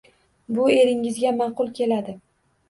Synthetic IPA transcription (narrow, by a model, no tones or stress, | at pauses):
bʊe̞ɾɪŋɪzɡʲamɑqʊlˠkʲe̞lad̪ɪ